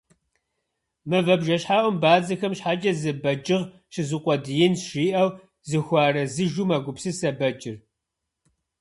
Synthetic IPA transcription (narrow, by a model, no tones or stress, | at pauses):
mɨvɐbʒɐɕħaːʔʷɔmbaːd͡zɐxɐmɕħaːd͡ʒʼɐzɨbɐd͡ʒʼɪʁ | ʃɪzɨqʷʼɔdɨjɪnsʂiːʔɐw | zɨxʷɑːrɐzɨʒumɐɡʷʊpsɨsɐbɐt͡ʃʼɪr